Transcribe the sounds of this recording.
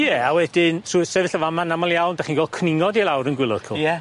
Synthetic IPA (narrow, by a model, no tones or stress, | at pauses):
jɛawɛdɪnsuɪsɛvɪɬəvamanamɔlˠjawndaχiːnɡwɛl̚ˠkʰnɪŋɔdilˠawɾənɡwɪlˠɔð̥kʰʊɛ